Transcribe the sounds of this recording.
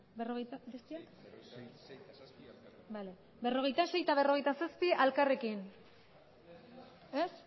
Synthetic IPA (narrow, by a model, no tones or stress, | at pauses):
beroɣejt̪abestia | bale | be̞ro̞ɣ̞ejt̪ase̞jt̪aβe̞ro̞ɣ̞ejt̪asaspiʔalkare̞kin | es